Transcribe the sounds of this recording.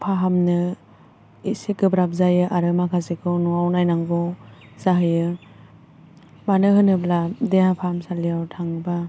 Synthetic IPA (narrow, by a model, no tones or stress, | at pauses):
pʰaɦamnɯ | isekɯbɾap̚zajɯʔaɾɯmakʰazekʰɯwnuawnajnaŋɡɔ | z̥aɦɯjɯ | manɯɦɯnɯbladeɦapʰahamsalijawtʰaŋba